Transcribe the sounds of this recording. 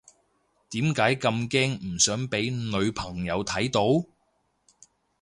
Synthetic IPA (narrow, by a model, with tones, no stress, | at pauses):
t̪iː˨˥mkaː˨˥jkɐ˧mkɛː˥ŋm̩˨˩sœː˨˥ŋpe˨˥jnɵ˨˧ɥpʰɐ˨˩ŋjɐ˨˧wt̪ʰɐ˨˥jt̪o˨˥w